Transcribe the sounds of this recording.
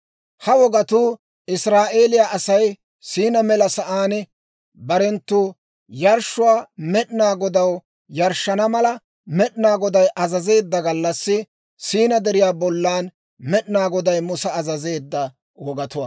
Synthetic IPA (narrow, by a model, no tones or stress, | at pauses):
hɐwɔɡɐt̪uː | ɪsɾaːʔeːlɪjaːʔɐsɐj | siːnɐmɛlɐsɐʔaːn | bɐɾɛnt̪ːuː | jɐɾʃʊwaːmɛᶑnaːɡɔd̪ɐw | jɐɾʃːɐnɐmɐlɐ | mɛɗnaːɡɔd̪ɐjʔɐzɐze̞ːd̪ːɐɡɐlːɐsːɪ | siːnɐd̪ɛɾɪjaːbɔlːaːn | mɛɗnaːɡɔd̪ɐjmʊsɐːzɐze̞ːd̪ːɐ | wɔɡɐt̪ʊwa̰ː